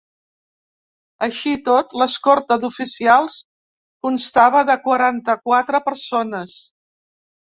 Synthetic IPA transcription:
əʃit̪ot̪ləskɔɾt̪əðufisialˠs | kunst̪aβ̞əðəkwəɾant̪əkwat̪ɾəpəɾsonəs

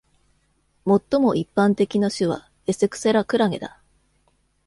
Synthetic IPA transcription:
mo̞t̪ːo̞mo̞ʔipːãnt̪e̞kʲinaɕɨβ̞a̰ | e̞se̞kɯ̟̥seɾakɯ̟ɾaŋe̞d̪a

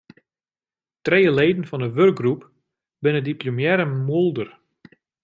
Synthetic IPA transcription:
trejəleːdn̩fɔndəʋørɡ̚ɡrup | bɪnədiplomjɛɾəmulˠdər

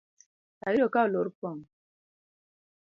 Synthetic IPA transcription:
aiɾokaoloɾpɔŋ

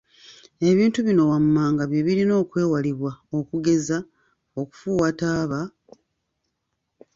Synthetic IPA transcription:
e̞βiːntuβino̞wamːaːŋɡaβje̞βiɾino̞ːkwe̞ːwaliβwao̞kuɡe̞za | o̞ku̥fuːwataːβa

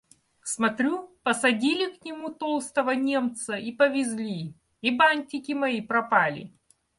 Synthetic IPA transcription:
smɐt̪ɾʲupəsɐdʲilʲɪknʲɪmut̪olˠst̪əvənʲe̞mt̪səipəvʲɪzʲlʲi | ibanʲtʲɪkʲɪmɐipɾɐpalʲɪ̰

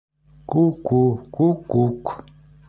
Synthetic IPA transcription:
kukukukuk

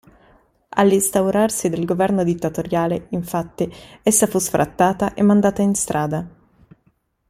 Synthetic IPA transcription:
a̰lːist̪awɾarsid̪elɡovɛrnod̪it̪ːat̪oɾjaːleiɱfat̪ːiesːafusfɾʔa̰t̪ːaːt̪aʔemːand̪aːt̪ainst̪ɾʔaːd̪a

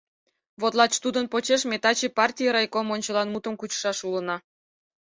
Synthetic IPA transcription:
βot̪lˠɑt͡ɕt̪ud̪ənpot͡ɕeʃmʲet̪ɑt͡ɕepɑrtʲijəɾɑjkomonʲt͡ɕəlˠɑnmut̪ə̆mkut͡ɕʃɑʃulənɑ

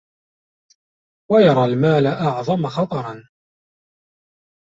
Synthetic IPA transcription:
wajɑɾˤɑːlmaːlaʔɑʕðˤɑmaxɑt̪ˤɑɾˤɑn

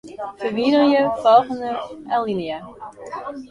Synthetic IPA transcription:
fəʋidəɹjəfɔlˠχəndəʔalˠinia

